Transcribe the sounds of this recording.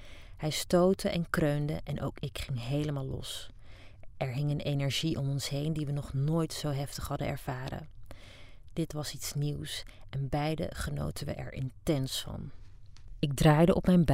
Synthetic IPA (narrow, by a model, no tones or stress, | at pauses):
hɛjstowtəʔɛnkrøɥndə̰ʔɛnʔo̰wkɪkχɪŋɦejləmaːlˠːɔ̰s | ʔɛɹɦɪŋənejnɛɹʒiʔɔmɔnsɦejndiʋənɔχnoːjtsowɦɛftəχɦɑdəɛ̰ɹv̥aːɾə̰ | d̥ɪtʋɑsitsniwsʔɛnbɛjdə̰χəno̰wtənʋə̰ʔɛ̰ɹʔɪ̰ntɛnsfɑ̰n | ɪɡ̚draːjdəʔɔpmɛjnb